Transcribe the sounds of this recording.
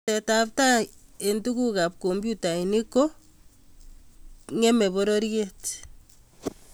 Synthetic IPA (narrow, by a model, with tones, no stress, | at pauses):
tɛ˨ta˨pta˦e˨ntu˦ku˦ka˨p̚ko˨mbju˦ta˨ini˦ko˦ | ŋe˦mɛ˨βo˦ɾo˦ɾjet